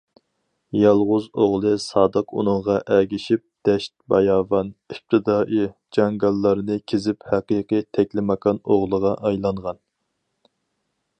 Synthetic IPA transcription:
jɑlˠʁʊzoʁlˠɨsɑːd̪əqṵnɨŋʁɑʔæɡʲiʃip̚d̪̥ɛʃt̪̚bɑjɑːvɑnip̚t̪ʰɨd̪ɑːʔi | d͡ʒɑŋɡɑlˠːɑɾɨnɨkʲʰezɪphæqijqɨt̪ʰɛkʲlɪmɑqʰɑnoʁlˠəʁɑʔɑjlˠɑɴʁɑn

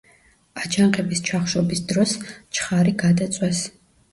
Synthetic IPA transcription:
at͡ʃʰaŋqʼɛbist͡ʃʰaχʃɔbisd̪ɾɔst͡ʃʰχaɾiɡad̪at̪sʼwɛs

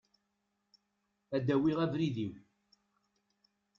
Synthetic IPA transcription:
æd̪æwiʁævɾiðiw

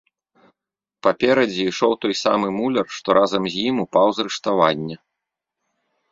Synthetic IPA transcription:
papʲɛɾɐd͡zʲiːʂɔwt̪ɔjsa̰mɨmulʲɐrʂt̪ɔɾʔazɐmzʲjimupawzɾɨʂt̪avanʲːɛ

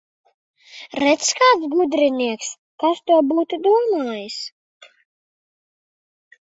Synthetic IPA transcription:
ɾɛt̪skaːt̪sɡud̪ɾiniɛks | kast̪uɔbuːt̪ud̪uɔmaːjɨs

